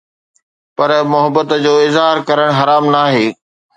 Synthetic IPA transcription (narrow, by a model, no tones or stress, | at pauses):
pɐɾmʊɦəbət̪d͡ʑoːɪzɦaːɾkɐɾəɽ̃ɦɐɾaːmnaːɦeː